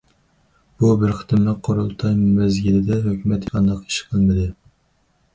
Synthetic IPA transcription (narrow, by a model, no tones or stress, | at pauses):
b̥ubɪɾχɨ̥t̪ʰɪmɨqʰoɾulˠt̪ʰɑjmymɛzɡʲilɪd̪ɛɦøkʲʰymɛt̪qʰɑnd̪ɑqi̥ʃqʰəlˠmɨd̪ɨ